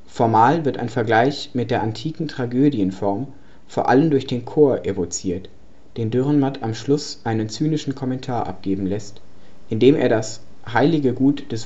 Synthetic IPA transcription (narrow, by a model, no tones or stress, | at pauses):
fɔɐmaːlvɪɐta̰ɪnfɛɐɡlaɪçmɪt̚d̥eːɐʔantʰiːkŋ̩tʁ̥aɡøːdjənfɔɐm | foːɐʔaləmdʊɐçd̥eːnkʰoːɐʔevot͡siːɐt | d̥eːndʏʁənmatʰamʃlʊsʔaɪnənt͡syːnɪʃn̩kʰɔmɛntʰaːɐʔa̰p̚ɡ̥eːbm̩lɛst | ʔɪndeːmʔḛːɐɾashaɪlɪɡəɡuːtd̥ɛs